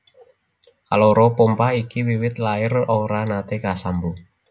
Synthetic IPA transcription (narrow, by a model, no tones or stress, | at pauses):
kaloɾɔpompaikiwiwɪt̪laɪroɾanat̪ekasambu